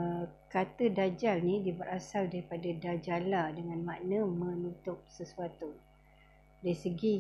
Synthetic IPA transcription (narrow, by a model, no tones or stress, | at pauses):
kat̪ədad͡ʒalnidibəɾʔasaldaɾipadadad͡ʒaladəŋãnmaʔnəmə̃nut̪ʊp̚səsuat̪u | daisəɡi